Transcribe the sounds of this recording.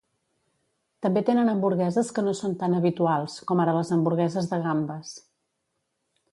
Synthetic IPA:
t̪əmbet̪enənəmbuɾɣɛzəskənosont̪anəβit̪ualˠskɔmaɾələzəmbuɾɣɛzəzðəɣambəs

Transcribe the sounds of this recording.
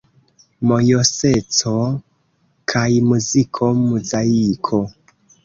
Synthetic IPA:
mojoset͡so | kʰaimuzikʰomuzajikʰo

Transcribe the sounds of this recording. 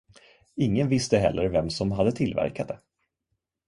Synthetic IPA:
ɪŋːənvɪst̪əɦɛ̰lːəɾvɛmsɔmɦad̪ːət̪ʰɪlvæ̰ɾkad̪ə

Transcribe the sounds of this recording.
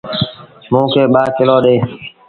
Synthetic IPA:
mũːkeːɓaːkɪloːɗeː

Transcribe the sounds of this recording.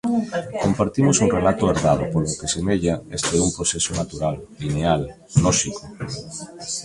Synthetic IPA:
kompaɾt̪imosuŋrelat̪ʊeɾðað̞ʊpolokesemeʎaest̪eumpɾosesonat̪uɾallinealː | ɔʃiko

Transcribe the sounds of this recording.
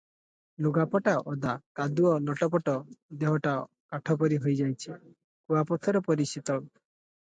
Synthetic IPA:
luɡapɔʈaʔɔd̪akad̪uɔnɔʈɔpɔʈɔd̪eɦɔʈa | kaʈʰɔp̬ɔɾiɦojd͡ʒajt͡ʃʰi | kuapɔt̪ʰɔɾɔpɔɾisit̪ɔ

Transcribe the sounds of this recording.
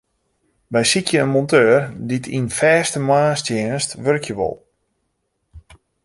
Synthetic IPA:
ʋɛjsikʰjəənmɔntøːrditʰinfɛːstəmaːstjɪənstʋørkʰjəʋɔ̰lˠ

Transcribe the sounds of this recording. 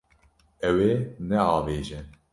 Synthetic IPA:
ɛwenɛɑːveːʒɛ

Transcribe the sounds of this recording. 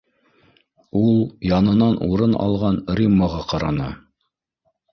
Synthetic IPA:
ulˠjɑnɤ̆nɑnʔuɾɤnɑ̰lˠʁɑnɾʲimːəʁɑqɑɾɑ̰nɤ̰

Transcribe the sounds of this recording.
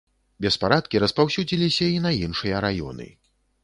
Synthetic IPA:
bʲɛspaɾat̪kʲiɾɐspawsʲud͡zʲilʲisʲɐinɐinʂɨjɐɾajɔ̰nɨ̰

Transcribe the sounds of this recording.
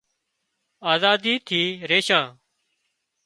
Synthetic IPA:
aːzaːd̪iːt̪ʰiːɾeːʃãː

